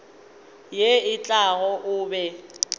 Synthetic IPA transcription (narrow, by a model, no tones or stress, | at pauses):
jeɪt͡ɬʼaɣɔʔʊːbɛ